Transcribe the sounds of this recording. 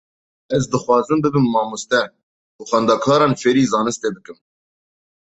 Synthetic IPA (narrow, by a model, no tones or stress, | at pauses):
ɛzd̪ɨxwɑːzɨmbɨbɨmːɑːmust̪ɛ | kuxɑnd̪ɑːkʰɑːɾɑːnfeɾiːzɑːnɨst̪eːbɨkɨm